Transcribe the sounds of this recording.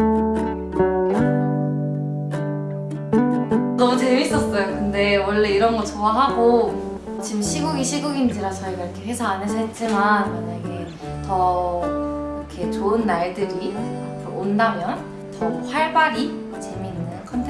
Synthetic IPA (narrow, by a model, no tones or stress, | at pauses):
nʌmut͡ɕe̞miːs͈ʌs͈ʌjokɯnde̞wʌɭːe̞iɾʌnɡʌt͡ɕʌwaɦaɡo | t͡ɕimɕʰiɡuɡiɕʰiɡuɡind͡ʑiɾat͡ɕʌiɡaiɾʌkʰe̞ɸwe̞sʰʌanɯsʰet͡ɕ͈imanmaɲaɡe | tʌ | ikʰe̞t͡ɕoɯnːaɭdɯɾikɯʔondamjʌn | tʌɸwaɭbaɾi | t͡ɕeminːɯnkʰʌntʰ